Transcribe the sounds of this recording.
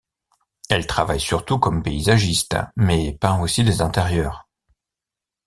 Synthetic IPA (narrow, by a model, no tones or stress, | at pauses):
ɛlt̪χavajsyʁt̪ukɔmpeizaʒist̪mɛpɛ̃osid̪ezɛ̃t̪eʁjœːʁ